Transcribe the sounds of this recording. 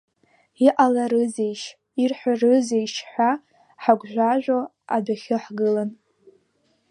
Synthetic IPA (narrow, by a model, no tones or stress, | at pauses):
iʔalaɾɨzejʃ | irħʷarɨzejʃħʷa | ħaɡʷʒᶣʷaʒʷᶣo | a̰daχʲɨħɡɨlan